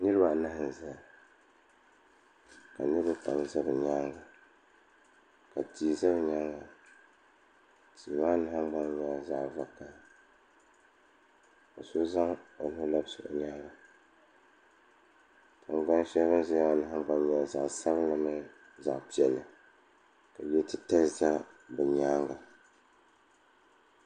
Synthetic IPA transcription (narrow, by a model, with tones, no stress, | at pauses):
nɨ˦ɾɨ˦ba˨na˦hɨ˨n˨za˨ | ka˨nɨ˦ɾɨ˦pa̰˨mzɨ˦bɨ˨ɲa˦ŋɡa˨ | ka˨ti˨za˦bɲa˦ɡa˨ | ti˨baː˦na˦ha˦mɡ͡ba˦n˦ɲa˨za˦ʔva˨ka˨ | ka˨so˦za˦ŋo˨lla˦bsɨ̰˨ʔʊ̰˨ɲa˦ɡa˨ | tʰɨ˨ŋɡ͡ba˦nʃɛ˦βɨ˦nzɪ˦ma˦na˦ha˦ɡ͡ba˦n˦ɲa˨lza˨ʔsa˦bla˦ma˦ | za̰˨ʔpi˨ɛ˨lːɨ˨ | ka˨bɛ˦tɨ˦ta˦za˦bɛ˨ɲaː˦ŋɡa˨